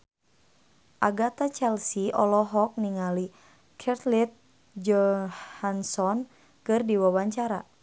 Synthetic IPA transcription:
ʔaɡat̪at͡ʃɛlsiʔɔ̰lɔɦɔk̚niŋali | kʰɛrt̪lit̪̚ | d͡ʒɔhansɔn | kɨrdiwawaɲt͡ʃaɾa̰

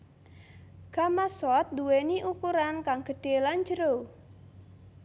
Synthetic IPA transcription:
ɡ̥amasɔt̪̚duweniʔukuɾankaŋɡ̥əɖ̥eland͡ʒəɾo

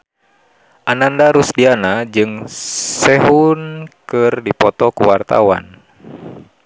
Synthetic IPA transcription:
ʔanandaɾusdianad͡ʒɨŋsɛɦunkɨrdipɔt̪ɔkuwart̪a̰wa̰n

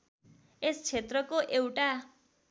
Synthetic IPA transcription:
est͡sʰet̪rʌkoʔewʈa

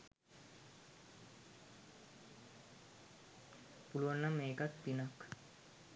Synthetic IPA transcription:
puluʋɐnːɐmːeːkɐt̪pinak

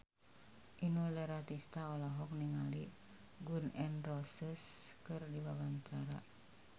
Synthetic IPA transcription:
ʔinulɛɾat̪ist̪aɔlaɦɔk̚niŋali | ɡunɛnrɔsəs | kɨrdibabaɲt͡ʃaɾa

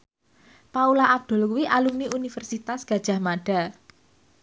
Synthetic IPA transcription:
paulaʔːb̚d̪̥o̤lkuwiʔalumiunifərsit̪asɡ̥ä̤d̥ʒ̥a̤hmaɖ̥a̤

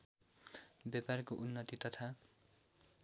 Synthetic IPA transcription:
baparkoʔunːʌt̪it̪ʌt̪ʰa

